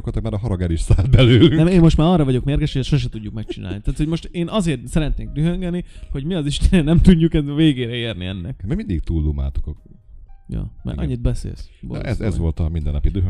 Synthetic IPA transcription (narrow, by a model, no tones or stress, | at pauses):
kot̪ːɔkmɛɾɒɦɒɾɒɡɛɾiʃsaːd̪̚bɛlyːlnɛmeːmmo̞ʃt̪maːɾɒrːɒvɒɟo̞kmeːrɡɛʃhojɛsʃo̞ʃɛt̪uɟːukmɛk̚t͡ʃina̰ːlit̪aːt̪ho̞ɟmo̞ʃt̪eːnɒzeːrt̪sɛɾɛt̪neːkd̪yɦøŋɡɛniho̞ɟmiɒziʃt̪ɛnɛnɛmt̪uɟːukɛveːɡeːɾɛeːrniɛnːɛkmɛmind̪ik̚t̪uːlːuma̰ːt̪o̥kok | jo̰mɛ̰ɲːid̪̚bɛsḛːlsbo̰l̰ʔɛ̰zɛzʋo̞lt̪ɒmind̪ɛnːɒpid̪øː